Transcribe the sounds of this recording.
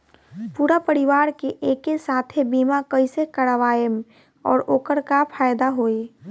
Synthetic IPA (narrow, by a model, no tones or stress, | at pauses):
puːɾapəɾɪʋaːɾkeʔeːkesaːt̪ʰebiːmakəisekəɽʋaːjəm | ɔːɾoːkəɾkapʰaːjd̪aɦoːe